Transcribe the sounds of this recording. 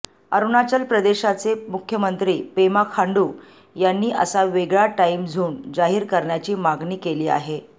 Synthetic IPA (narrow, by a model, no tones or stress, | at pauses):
əɾunat͡ɕəlpɾəd̪eɕat͡semukʰjəmənt̪ɾiːpemakʰaɳɖuː | janːiːʔə̰saʋeɡɭaʈaimd͡zʱuːnd͡zaɦiːɾkəɾɳjat͡ɕiːmaɡniːkeliːa̰ɦe